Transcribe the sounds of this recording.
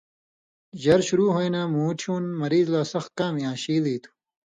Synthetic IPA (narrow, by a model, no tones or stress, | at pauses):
ʑɐɾɕuɾuːɦojnaːmuːʈʰuːnmɐɾiːzlaːsɐx̚kaːmijãːɕiːliːt̪ʰu̥